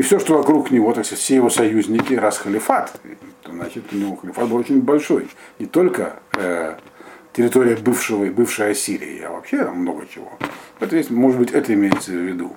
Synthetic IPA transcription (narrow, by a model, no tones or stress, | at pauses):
ifsʲoʂt̪o̞vɐkɾuknʲɪvo̞t̪ɐksat̪ʲfsʲejɪvo̞sɐjuzʲnʲɪkʲɪɾasxəlʲɪfat̪t̪oznat͡ɕɪt̪ʊnʲɪvoxəlʲɪfat̪̚bɨlˠot͡ɕɪnʲbɐlʲʂo̞jnʲɪt̪o̞lʲkəə | tʲɪɾʲɪt̪oɾʲɪjəbɨfʂɨvəbɨfʂɨjəɐsʲiɾʲɪ̰ɪ̰a̰vɐ̰pɕːḛmːno̞ɡət͡ɕɪvo̞̰vɛt̪vʲest̪ʲmoʐɨt̪bɨtʲɛt̪əɪmʲejɪt̪səvʲːɪd̪ṵ